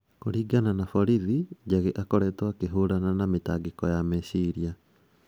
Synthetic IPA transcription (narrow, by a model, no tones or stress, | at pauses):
koɾiːɡananafɔɾiðid͡ʑaɣeʔakɔɾɛtwakeɦoɾananametaːɡekɔjamesiɾia